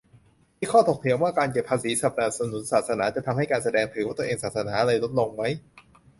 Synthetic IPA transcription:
iː˥˩kʰɔː˥˩t̪ʰo˨˩k̚t̪ʰi˩˦əmwaː˥˩kaː˧nke˨˩pʰːaː˧siː˩˦sa˨˩p̚naː˧˩nsa˧nu˩˦nsaː˨˩t̪̚sa˧naː˩˦t͡ɕa˨˩t̪ʰa˧mha˥˩jkaː˧nsa˧dɛː˧ŋt̪ʰɯ˩˦waː˥˩t̪ːeː˧ŋsaː˨˩t̪̚sa˧naː˩˦ʔɾaɤ˧jlo˦˥t̪̚lo˧ŋma˦˥j

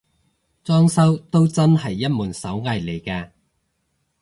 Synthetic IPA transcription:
t͡sɔː˥ŋsɐ˥wt̪o˥wt͡sɐ˥nɦɐ˨jːɐ˥t̚muː˨˩nsɐ˨˥wŋaː˧jle˨˩jkaː˧

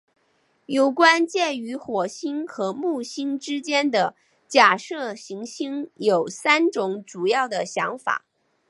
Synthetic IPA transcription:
jo˨˩ʊkwa˥nt͡ɕjɛ˥˩y˧˥xwɔ˨˩ɕi˥ŋxɤ˧˥mu˥˩ɕi˥ŋʈ͡ʂɻ̩˥t͡ɕjɛ˥nd̪ə˨ | t͡ɕja˥˨˩ʂɤ˥˩ɕi˧˥ŋɕi˥ŋjo˨˩ʊsa˥nʈ͡ʂʊ˧˥ŋʈ͡ʂu˨˩jɑ˥˩ʊd̪ə˩ɕjɑ˧˥ŋfa̰˨˩˦

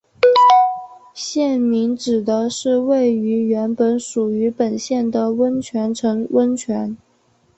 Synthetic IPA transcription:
ɕjɛ˥˩nmi˧˥ŋʈ͡ʂɻ̩˨˩d̪ə˦ʂɻ̩˥˧we˥˩ɪy˧˥ɥɛ˧˥npə˧˥nʂu˨˩y˧˥pə˨˩nɕjɛ˥˩nd̪ə˨˩wə˥nt͡ɕʰɥɛ˧˥nʈ͡ʂʰɤ˧˥ŋwə˥nt͡ɕʰɥɛ˧˥n

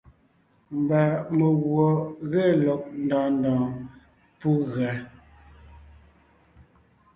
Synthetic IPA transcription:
m˨ba˨mə˨ɣwɔ˨ɣe˦lɔ˨k̚n̩˨dɔ̃ː˨ndɔ̃ː˨ | pu˦ɣɰa˨

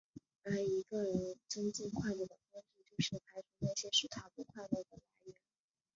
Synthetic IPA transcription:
a˥˩ɪi˧˥ɡə˧ɻə˧˥nʈ͡ʂə˥nt͡ɕi˥˧ŋkʰwa˥˧ɪpɔ˥˩d̪ə˩fʊ˥ŋʂ̩˥˧t͡ɕjo˥˧ʊʂɻ̩˥˩kʰa˧˥ɪʈ͡ʂʰu˧˥na˥˩ɪɕjɛ˥ʂɻ̩˥˩t̪ʰa˥pu˧˥kʰwa˥˧ɪlɔ˥˩d̪ə˩la˧˥ɪɥɛ˧˥n

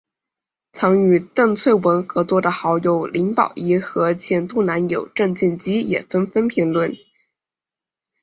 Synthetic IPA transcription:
t͡sʰɑ˧˥ŋy˨˩t̪ə˥˧ŋt͡sʰwe˥˩ɪwə˧˥nxɤ˧˥t͡swɔ˥˩d̪ə˨xɑ˧˥ʊjo˧˥ʊli˧˥ŋpɑ̰˨˩ʊi˧˥xɤ˧˥t͡ɕʰjɛ˥nt̪u˥˩na˧˥njo˨˩ʊʈ͡ʂə˥˧ŋt͡ɕi˥˩nt͡ɕi˥jɛ˨˩fə˥nfə˥npʰi˧˥ŋlwə˥˩n

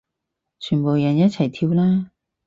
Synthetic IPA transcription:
t͡ʃʰyː˨˩npo˨˩wjɐ˨˩njɐ˥t̚t͡sʰɐ˨˩jt̪ʰiː˧wlaː˥

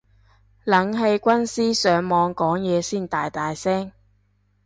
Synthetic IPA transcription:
lɐ˨˥ŋɦe˧jkʷɐ˥nsiː˥sœː˨˥ŋmɔː˨˧ŋkɔː˨˥ŋjɛː˨˧siː˥˩nt̪aː˨˧jt̪aː˨jsɛː˥ŋ

